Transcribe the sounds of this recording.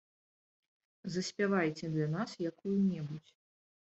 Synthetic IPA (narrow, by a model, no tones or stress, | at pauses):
zɐsʲpʲavajt͡sʲɛd̪lʲanasjakujunʲɛbut͡sʲ